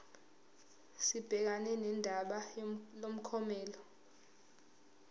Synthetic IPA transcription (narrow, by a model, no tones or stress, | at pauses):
sib̥ʱɛk̬anɛnɛndʱaɓalom̩kʰɔmɛːlɔ